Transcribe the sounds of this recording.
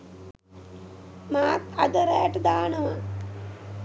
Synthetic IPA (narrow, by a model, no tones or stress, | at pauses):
maːt̪ad̪əɾajaʈəd̪aːnəʋa